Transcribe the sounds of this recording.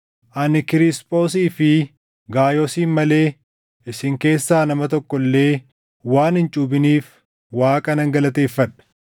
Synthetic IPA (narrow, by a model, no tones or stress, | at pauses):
ʔɐnɪkɪɾɪspʼo̞ːs̬iːfɪ | ɡaːjoːsiːnmɐle̞ː | ʔɪsɪŋke̞ːsːaːnɐmɐt̪ɔkːɔlːe̞ː | waːnhɪnt͡ʃʼuːbɪniːf | waːkʼɐnɐŋɡɐlɐt̪e̞ːfːɐᶑɐ̥